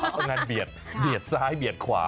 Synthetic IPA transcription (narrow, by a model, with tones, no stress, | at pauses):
ŋa˧nbi˨˩ət̪̚bi˨˩ət̪̚saː˧˥jbi˨˩ət̪̚kʰwa̰ː˩˦